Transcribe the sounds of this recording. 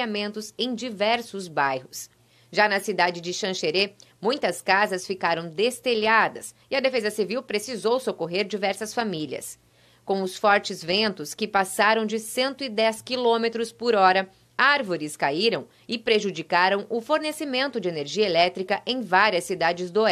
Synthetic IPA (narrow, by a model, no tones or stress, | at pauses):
amẽnt̪ʊzẽj̃d͡ʒivɛɾsʊzbajɦʊs | ʒanɐsid̪ad͡ʒɪd͡ʒɪʃɐ̃ʃeɾemũj̃t̪ɐskazɐsfikaɾɐ̃w̃d̪est̪eʎad̪ɐsɪɐd̪efezɐsiviwpɾesizowsokoɦeɾd͡ʒivɛɾsɐsfamilɐ̰s | kõʊsfɔɾt͡ʃɪzvẽnt̪ʊskɪpasaɾɐ̃w̃d͡ʒɪsẽnt̪ʊɪd̪ɛskilõmet̪ɾʊspʊɾɔɾɐ | aɾvoɾɪskaiɾɐ̃w̃ | ɪpɾeʒud͡ʒikaɾɐ̃w̃ʊfoɾnesimẽnt̪ʊd͡ʒɪeneɾʒiɐelɛt̪ɾikɐʔẽj̃vaɾiɐsːid̪ad͡ʒɪzd̪ʊɛ